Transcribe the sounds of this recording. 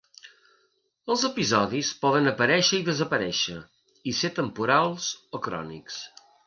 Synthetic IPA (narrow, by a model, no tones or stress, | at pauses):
əlˠzəpizɔðispɔðənəpəɾɛʃəiðəzəpəɾɛʃə | iset̪əmpuɾalˠz̥okɾɔ̰nḭks